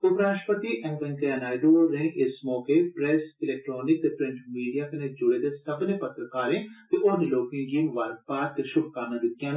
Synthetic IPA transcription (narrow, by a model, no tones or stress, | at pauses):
ʊpɾaːʃʈpət̪iʔɛ̃ŋɡʋɐ̃ŋkeɐnaːjd̪oɾẽɪsmɔːkepɾɛːsɪlɛːk̚ʈɾɔːnɪk̪̚pɾɪ̃ɳʈmiːɖijakɐned͡ʒʊɽed̪esɐbnepɐt̪ɾəkaːɾẽt̪eʔoːneloːkẽɡiʋaɾɡ̚paːt̪kʃʊbkaɾnad̪ɪt̪jãːn